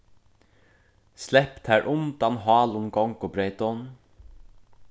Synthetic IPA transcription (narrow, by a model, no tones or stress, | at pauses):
slɛpt̪hæːɹʔʊnt̪anɦɑːlʊnɡɔŋkʊbɾeːt̪ɔn